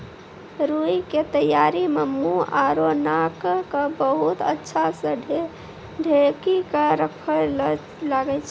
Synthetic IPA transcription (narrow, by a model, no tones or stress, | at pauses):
ɾuiket̪əjːaɾimemuaɾonakkəbəɦut̪ətːʃʰasə̃ | ɖʱekikeɾəkʰə | laɡɛt͡ʃʰ